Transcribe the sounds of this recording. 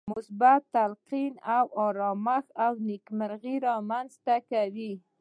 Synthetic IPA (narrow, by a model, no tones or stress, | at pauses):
mʊsbat̪ːalqinawɑɾɑmaxawnikməɾɣiɾɑmanzt̪akawi